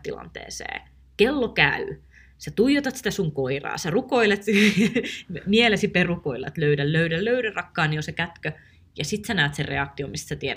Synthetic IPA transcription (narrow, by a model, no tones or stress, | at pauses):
t̪ilɑ̰nt̪ḛːsḛː | kelːokæ̰y | sæt̪ujot̪ɑt̪sit̪æsuŋkoirɑ̰ːsærukoilet̪ | mielesiperukoilɑ̰t̪løydælløydælløydærɑkːɑːniosekæt̪kø | jɑsit̪sænæːt̪serrḛɑk̚t̪iomist̪sæt̪ieɾæ